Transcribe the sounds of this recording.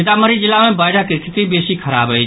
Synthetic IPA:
ɪt̪aməɾid͡ʒɪlamẽbaːɪɾakekʰɪt̪ibeːsikʰɐɾa̰ːbəi

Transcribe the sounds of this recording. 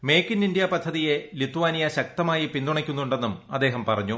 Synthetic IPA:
me̞ːkːinindijɐpɐd̪ʱːɐðije̞lit̪ːuʋaːnijɐɕɐk̚t̪ɐmaːjipind̪uɳɐkʲːunːuɳɖe̞nːumɐ̰d̪ːe̞ːɦɐmpɐrɐɲːu

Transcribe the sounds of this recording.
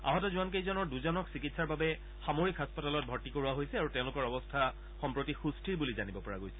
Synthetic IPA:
a̰ɦɔtɔzuank̬ejzɔnɔɹduzɔnɔksikitsaɹbabɛ | xamoɹikɦaspɔtalɔt̚bʱɔɹtikoɹuwaɦojsɛaɹutɛ̃ʊ̃lʊkɔɹɔbɔstʰa | xɔmpɹotixustʰiɹbulizanibɔpɔɹa̰ɡojsɛ̥

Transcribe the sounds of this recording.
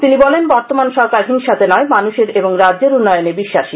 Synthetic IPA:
t̪inibɔlenbɔɾt̪omanʃɔɾkaɾɦiŋʃat̪ʰenɔemanuʃeɾeboŋɾadːʑeɾunːɔjonebiʃːaʃi

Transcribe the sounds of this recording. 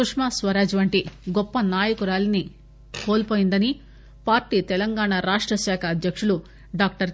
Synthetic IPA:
ukʂmaːsʋɐɾaːd͡ʒiʋɐɳʈiɡɔpːɐnaːjɐkuɾaːlini | koːlpoːjind̪ɐni | paːɾʈiːt̪ɛlɐŋɡaːɳaɾaːʂʈɾɐʃaːkʰɐːd̪jɐkʂulu | ɖaːk̚ʈɐɾ

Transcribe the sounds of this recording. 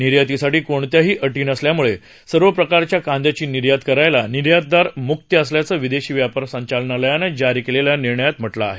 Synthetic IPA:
niɾjat̪isaʈiːkoɳt̪jaɦiːʔəʈiːnəsljamuɭe | səɾʋəpɾəkaɾt͡ɕjakand̪jat͡ɕiːniɾjad̪kəɾajlaniɾjad̪̚d̪aɾmuk̚t̪əəsljat͡səːʋid̪eɕiːʋjapəɾsəɲt͡ɕalnaləjaned͡ʑaɾikeleljaniɾɳəjat̪m̤əʈla̰ːɦe

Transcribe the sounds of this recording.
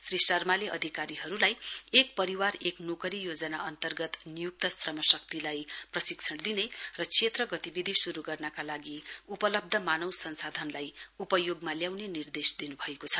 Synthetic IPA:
srisʌrmaleʔʌ̰d̪ʱikaɾiɦʌɾulajek̚pʌɾiwareknokʌɾijod͡zʌnaʌnt̪ʌrɡʌt̪nijuk̚t̪ʌsrʌmʌsʌk̚t̪ilajprʌsikt͡sʰʌɽd̪inerʌt͡sʰet̪rʌɡʌt̪ibid̪ʱisuɾuɡʌrnʌkalaɡiupʌlʌb̚d̪ʱʌmanʌwsʌnsad̪ʱʌnlajupʌjoɡmaljawnenird̪esd̪inubʱʌekot͡sʰʌ̥

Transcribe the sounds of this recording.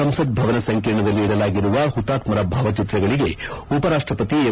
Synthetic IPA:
ɐmsɐd̪̚bʱɐʋɐnɐsɐŋkiːɾɳɐd̪ɐlːiːɽɐlaːɡiɾuʋɐɦut̪ːaːt̪mɐɾɐbʱaːʋɐt͡ʃit̪ɾɐɡɐɭiɡe̞upɐɾaːʂʈɾɐpɐt̪ie

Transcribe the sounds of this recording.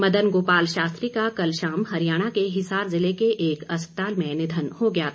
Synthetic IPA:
mɐd̪ənɡoːpaːlʃaːst̪ɾikakɐlʃaːmɦɐɾijaːɽ̃akeɦɪsaːɾzɪlekeʔeːkɐspət̪aːlmẽnɪd̪ʱənhoɡɐjaː

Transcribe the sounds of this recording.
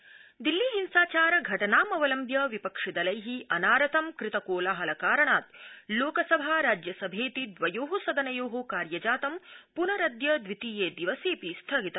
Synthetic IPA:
d̪ilːiɦinsaːt͡ʃaːɾɐɡʱɐʈɐnaːmɐʋɐlɐmbjɐʋipɐkʂid̪ɐlɐjɦiɐnaːɾɐt̪ʰɐmkɾɪt̪ɐkoːlaɦɐlɐkaːɾɐɳaːt̪loːkɐsɐbʱaːɾaːd͡ʒjɐsɐbʱeːt̪id̪ʋɐjoːɦɐsɐd̪ɐnɐjoːɦokaːɾjɐd͡ʒaːt̪ɐmpunɐɾɐd̪jɐd̪ʋit̪iːjeːd̪iʋɐseːpist̪ʰɐːɡit̪ɐ

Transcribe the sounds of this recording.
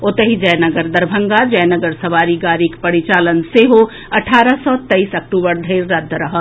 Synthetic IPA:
ot̪əɦid͡ʒəjnəɡəɾd̪ɐɾbʱəŋɡad͡ʒɐjnəɡəɾsɐʋaːɾiɡaːɾikpəɾit͡ʃalənseɦo | ɐʈʰaːɾəsɔt̪ɐisɐk̚ʈubəɾd̪ʱəɾːɐd̪ʱːɾɐɦə

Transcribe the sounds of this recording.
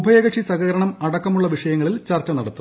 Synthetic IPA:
ubʱɐjɐɡɐʈʂisɐɣɐɾɐɳɐmɐɽɐkːɐmuɭːɐʋiʂɐjɐŋːɐɭilt͡ɕɐrt͡ɕːɐnɐɽɐt̪ːu

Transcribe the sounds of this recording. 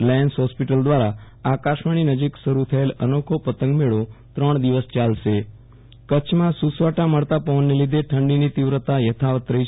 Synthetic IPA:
laɳsɦɔspiʈəld̪ʋaɾa | akaʃmaɳ̃inəd͡ʒiksəɾut̪ʰəelənokʰopət̪ə̃ŋɡmeɭot̪ɾəɳ̃d̪iʋəst͡ʃalʃe | kət͡ʃʰmãsusʋaʈaməɭt̪apəʋənːelid̪ʱeʈʰəɳɖinit̪iʋɾət̪ajət̪ʰaʋət̪ɾəi

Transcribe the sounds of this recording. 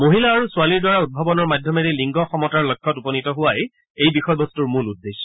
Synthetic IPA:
moɦilaːɹusualiɹdwaɹaud̚bʱɔbɔnɔɹmadʱjɔmeɾiliŋɡɔxɔmɔtaɹlɔjkʰːɔtupɔnitɔɦʊwaj | ejbixɔjbɔstuɹmuludːesːɔ̥

